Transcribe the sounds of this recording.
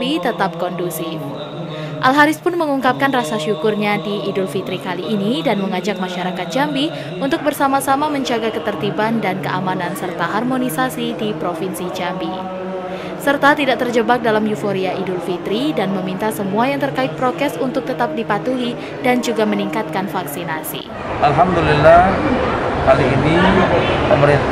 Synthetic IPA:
it̪ət̪ap̚kɔndusi | ʔalɦaɾɪspʊnməŋuŋkap̚kanrasaʃukʊrɲadiːdʊlfit̪ɾikaliʔːnidanməŋad͡ʒak̚maʃaɾakat̪̚d͡ʒambi | unt̪ʊk̚bərsamasamaməɲd͡ʒaɡakət̪ərt̪ibandankəʔamanansərt̪aɦarmonisasidipɾofinsid͡ʒambi | sərt̪at̪idaʔt̪ərd͡ʒəbak̚dalamjufoɾiaʔidʊlfit̪ɾidanməmint̪asəmuajaŋt̪ərkaɪt̪̚pɾot̪ɛsunt̪ʊk̚t̪ət̪ap̚dipat̪uɦi | dand͡ʒuɡaməniŋkat̪̚kanfaksinasḭ | ʔalɦamd̪ulilːah | kaliːnipəməɾi

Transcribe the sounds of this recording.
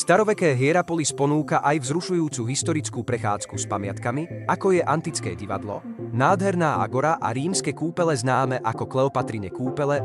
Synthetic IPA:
st̪aɾɔʋɛkɛːɦɪɛɾapɔlispɔnuːkaʔajvzɾuʃujuːt͡suɦist̪ɔɾit͡skuːpɾɛxa̰ːt͡skuspamɪat̪kamiakɔjɛʔant̪it͡skɛ̰ːɟiʋa̰d̪lɔ̰naːd̪ɦɛɾnaːa̰ɡɔɾaʔa̰ɾiːmskɛkuːpɛlɛznaːmɛʔakɔklɛɔpat̪ɾiɲɛkuːpɛlɛ

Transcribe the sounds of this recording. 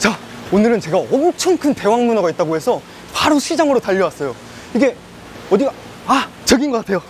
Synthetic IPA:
t͡ɕa | onɯɾɯnt͡ɕe̞ɡaʌmt͡ɕʰʌnkʰɯnte̞waŋmunʌɡait̚t͈aɡoɦe̞sʰʌ | paɾoɕʰid͡ʑaŋɯɾotaʎːʌwas͈ʌjo | iɡe̞ | ʌdi | a | t͡ɕʌɡinɡʌk͈atʰe̞jo

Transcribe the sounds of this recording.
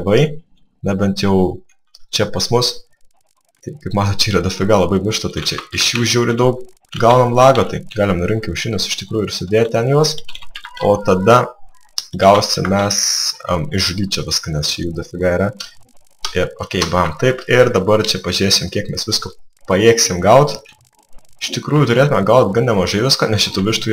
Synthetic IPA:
ʋɐɪ | nɐbʲɛnt̪jɛʊ | t͡ʃʲɛpɐsmʊs | t̪ɐɪkɐɪpmɑːt̪oːt̪̚t͡ʃʲɛiːɾɐd̪ɐfʲɪɡɐlˠɐbɐɪmʲɪʃt̪ɐt̪ɐɪt͡ʃʲɛɪʃjuːʒʲuːɾʲɪd̪ɐʊk̚ | ɡɐʊnɐmlˠɑːɡoːt̪ɐɪɡɑːlʲɪmnʊɾʲɪŋʲkʲɪʊʃʲɪnʲʊsɪ̥ʃt̪ʲɪkɾuːjʊɪɾsʲʊd̪ʲeːt̚t̪ʲɛnjuɔs | oːt̪ɐd̪ɐ | ɡɐʊsʲɪmʲɛsɐmɪʒʊɡʲiːt̪t͡ʃʲɛʋʲɪskɐnʲɛst͡ʃʲɛjuːd̪ɐfʲɪɡɐiːɾɐ | ɪɾoːkʲɛɪbɐmt̪ɐɪpɪɾd̪ɐbɐrt͡ʃʲɛpɐʒʲɾʲeːsʲɪmkʲiɛkmʲɛsʋʲɪskopɐjeːksʲɪmɡɐʊt̪ʲ | ɪʃt̪ʲɪkɾuːjʊt̪ʊɾʲeːt̪ʊmʲɛɡɐʊt̪ɡɐnnʲɛmɐʒɐɪʋʲɪskɐnʲɛsʃʲɪt̪uːʋʲɪʃt̪uː

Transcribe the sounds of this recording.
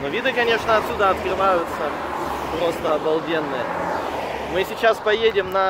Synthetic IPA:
novʲid̪ɨkɐnʲe̞ʂnəɐt̪sʲud̪əɐt̪kɾɨvajʊt̪sə | pɾo̞st̪əɐbɐlˠdʲenːɨjə | mɨsʲɪt͡ɕaspɐjedʲɪmnɐ

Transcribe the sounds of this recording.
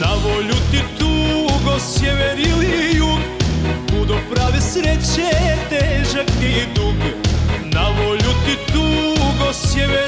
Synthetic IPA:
nɐvɔʎut̪it̪uɡɔsjɛvɛɾilijukkud̪ɔpɾavɛsɾɛt͡ʃɛt̪ɛʒɐkid̪uknavɔʎut̪it̪uɡɔsjɛvɛ

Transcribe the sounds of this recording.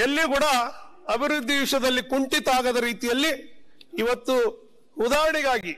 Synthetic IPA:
elːikuːɽɐɐbʱiɾud̪ʱːiʋiʂɐd̪ɐlːikuɳʈit̪aːɡɐd̪ɐɾiːt̪ijɐlːiː | ʋɐt̪ːu | ud̪aːɾɐɳiɡaːɡi

